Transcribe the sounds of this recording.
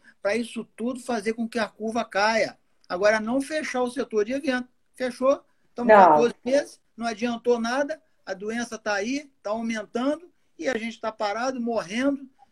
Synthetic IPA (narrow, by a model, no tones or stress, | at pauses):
pɾɐisʊt̪ud̪ʊfazeɾkõkɪɐkuɾvɐkajɐ | aɡɔɾɐnɐ̃w̃feʃaʊset̪oɾd͡ʒɪevẽt̪ʊ | feʃo | t̪ɐ̃w̃at̪oɾzɪmezɪsnɐ̃w̃ad͡ʒiɐ̃nt̪onad̪ɐ | ɐd̪uẽsɐt̪ait̪aawmẽnt̪ɐ̃nd̪ʊ | ɪaʒẽnt͡ʃɪ̥t̪apaɾad̪ʊmoɦẽnd̪ʊ